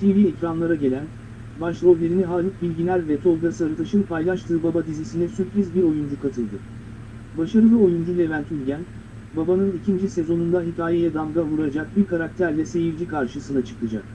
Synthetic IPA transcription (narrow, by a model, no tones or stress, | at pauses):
sivʲiːɛcɾanlˠaɾaɟe̞lʲæn | baʃlˠo̞vlʲe̞ɾiniɦalʲˠɯk̚bilʲɟilʲæɾvɛt̪ʰo̞lˠɡasɯaɾɯt̪ʰaʃɯnpʰajlˠaʃt̪ʰɯːbabad̪izisinɛsypɾizbiɾo̞jund͡ʒukʰat̪ʰɯlˠd̪ɯ | baʃaɾɯd̪ɛo̞jund͡ʒulʲevænt̪ʰylʲɟæn | babanɯnicʰind͡ʒise̞zo̞nund̪aɦic̪aːjɛjad̪aŋɡavuɾad͡ʒak̚biɾkʰaɾak̚t̪ʰæɾlʲɛse̞jiɾd͡ʒikʰaɾʃɯsɯnat͡ʃʰɯ̥klˠad͡ʒa̰k̚